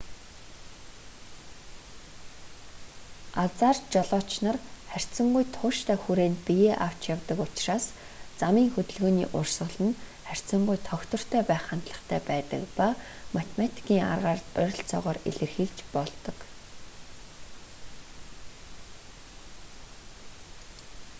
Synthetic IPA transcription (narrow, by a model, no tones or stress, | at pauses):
at͡saːrt͡ɕɔɮɔːt͡ɕnə̆rχær̥ʲt͡sə̆ŋɡujt̪ʰʊːʃt̪ʰæːxuɾeːnpijeːʔaw̥t͡ɕjawt̪ə̆kʊt͡ɕraːs | t͡samiːŋxɵt̪ɵ̆ɮɣoːnḭːʔʊrsə̆ɮə̆nχær̥ʲt͡sə̆ŋɡujt̪ʰɔxt̪ɞ̆r̥t̪ʰœːpæːχant̪ɮə̆χt̪ʰæ̰ːpæːt̪ə̆kpa | mat̪ʰemat̪ʰi̥kʰiːŋa̰rʁaːrœɾ̆ʲɬt͡sɔ̰ːʁɔːrḛɮɘ̆rxiːkt͡ɕpɔɮt̪ɞ̆k